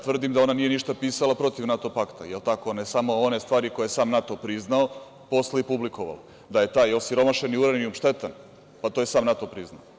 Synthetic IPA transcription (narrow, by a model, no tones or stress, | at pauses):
t̪ʋr̩d̪imd̪ao̞nanije̞niʃt̪apiːsalˠapɾo̞t̪iʋnat̪opakt̪a̰jelt̪ako̞onesamoone̞st̪ʋaːɾiko̞jeesaːmnat̪o̞pɾiznao | po̞slˠaipublikoʋa̰la | d̪aje̞t̪aːjosiɾo̞maʃeniuɾaniumʃt̪et̪an | pat̪oːje̞saːmnat̪opɾizna̰o